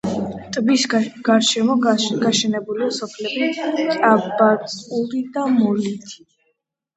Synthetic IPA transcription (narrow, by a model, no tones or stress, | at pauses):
t̪ʼbisɡ̥aɾʃɛmɔɡ̥aʃɛnɛbuliasɔpʰlɛbit͡sʼabat̪sʼuɾid̪amɔlit̪ʰi̥